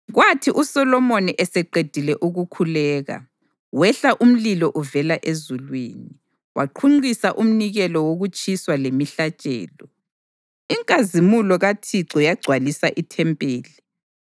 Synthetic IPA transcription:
ɣwatʰiʔusɔlɔmoniʔɛsɛǃed̥ʱilɛʔuɣukʰulɛːɣa̰ | wɛɬaʔum̩lilɔʔuvɛlaʔezulwiːni | wʔaǃʰuŋ͡ǀisaʔum̩niɣɛlɔwoɣut͡ʃʼiswalemiɬat͡ʃʼɛ̰ːlɔ | iŋkʼazimulɔɣatʰiǀɔjaɡ͡ǀʱwalisaʔitʰɛmpʼeːli

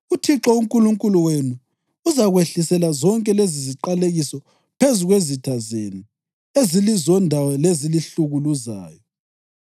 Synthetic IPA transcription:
utʰiǁɔuŋkʼuluŋkʼuluwenuː | zaɣweɬisɛlazɔŋkʼɛleziziǃaleɣisɔ | pʰezuɣwezitʰazḛnu | ezilizɔndʱawɔleziliɬuɣuluza̰ːjɔ

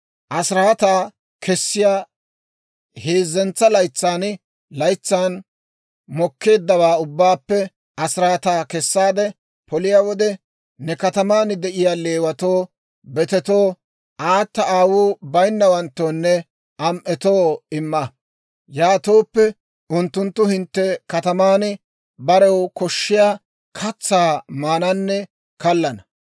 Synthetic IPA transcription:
ʔɐsɾat̪aː | kʰɛsːɪjaː | heːzːɛnt͡sːɐlɐjt͡sːaːn | lɐjt͡sːaːn | mɔkʰːe̞ːd̪ːɐwaːʊbːaːpːɛ | ʔɐsɾaːt̪aːkɛsːaːd̪ɛ | pɔlɪjaːwɔd̪ɛ | nɛkɐt̪ɐmaːnd̪ɛʔɪjaːle̞ːwɐt̪oː | bɛt̪ɛt̪o̞ː | ʔaːt̪ːɐaːwuːbɐjnːɐwɐnt̪ːoːnːɛ | ɐmʔɛt̪o̞ːɪmːɐ | jaːt̪oːpːɛ | ʊnt̪ːʊnt̪ːʊhɪnt̪ːɛkɐt̪ɐmaːn | bɐɾɛwkɔʃːɪjaː | kʰɐt͡sːaːmaːnɐnːɛ | kɐlːɐnɐ

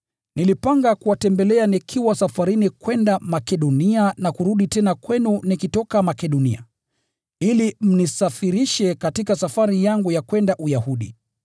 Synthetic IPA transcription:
nilipaŋɡakuwatɛmbɛlɛanikʰiwasafaɾinikwɛndamakɛɗɔnianakuɾuɗitɛnakwɛnunikitɔkamakɛɗɔnia̰ | ilim̩nisafiɾiʃɛkatikasafaɾijaŋɡujakwɛndaʔujahuɗḭ

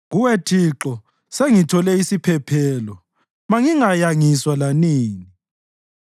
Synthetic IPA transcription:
ɣuwetʰiǁɔ | seŋitʰɔlɛisipʰɛpʰɛːlɔ | maŋiŋajaŋiswalaniːŋi

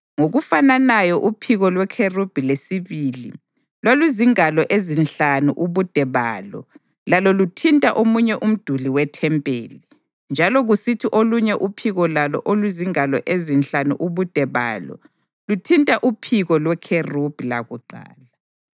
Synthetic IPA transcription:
ŋoɣufananajɔʔupʰiɣɔlwɛkʰerub̥ʱilesiβiːli | lwalwiziŋalɔʔezinɬanuʔuβud̥ʱɛβa̰ːlɔ̰ | lalɔlutʰintʼaʔomuɲɛʔum̩d̥ʱuliwɛtʰɛmpʼeːli | nd͡ʒʱalɔɣusitʰiʔoluɲɛʔupʰiɣɔlalɔ̰ʔolwiziŋalɔ̰ʔezinɬanṵʔuβud̥ʱɛβa̰ːlɔ̰ | lutʰintʼaʔupʰiɣɔlwɛkʰerub̥ʱila̰ɣuǃa̰ːla

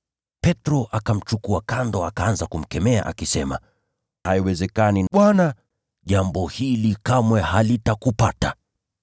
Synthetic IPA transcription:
pɛtɾɔʔakam̩t͡ʃukuakandɔakaanzakum̩kɛmɛa̰ʔa̰kisɛma̰ | haiwɛzɛkaninaɓwana | ʄambɔhilikamwɛhalitakupata

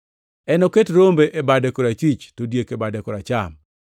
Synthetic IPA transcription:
ɛnoketɾombeʔebadekoɾat͡ʃwit͡ʃtodjekebadekoɾat͡ʃam

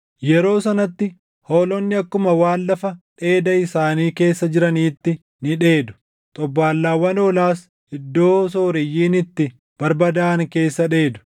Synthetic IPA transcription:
jɛɾo̞ːsɐnɐt̪ːɪ | hoːlɔnːɪɐkːʊmɐwaːnːɐfɐᶑe̞ːd̪ɐɪsaːniːke̞ːsːɐd͡ʒɪɾɐniːt̪ːɪ | nɪᶑe̞ːd̪ʊ̥ | t̪ʼɔbːaːlːaːwːɐnoːlaːs | ɪd̪ːo̞ːs̬oːɾɪjːiːnɪt̪ːɪ | b̥ɐɾbɐd̪aːŋke̞ːsːɐᶑe̞ːd̪ʊ̥

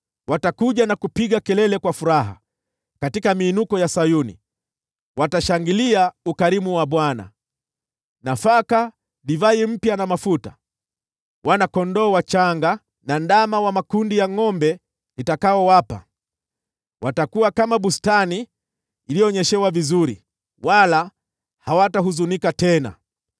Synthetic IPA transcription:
watakuʄanakupiɠakɛlɛlɛkwafuɾaɦa̰ | katikamiːnukɔjasajunḭ | wataʃaŋɡiliaukaɾimuwaɓwana̰ | nafaka | ɗivaim̩pjanamafuta̰ | wʔanakɔndɔːwat͡ʃaŋɡa | nandamawamakundijaŋɔmbɛ | itakaɔwapa̰ | watakuwakamaɓustaniː | lijɔɲɛʃɛwavizuɾḭ | wala | hawataɦuzunikatɛna̰

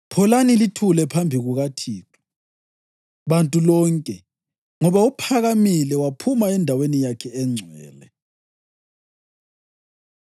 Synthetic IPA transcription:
pʰɔlanilitʰulɛpʰambʱiɣuɣatʰiːkʰɔ̥ | βantʼulɔŋkʼɛ | ŋɔβaupʰaɣamilɛwapʰumaɛndʱawenijakʰɛɛŋ͡ǀʱɛ̰ːlɛ

